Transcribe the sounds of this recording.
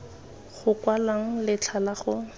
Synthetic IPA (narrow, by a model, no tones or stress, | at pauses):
χʊkwalaŋ̩lɪt͡ɬʰalaχʊ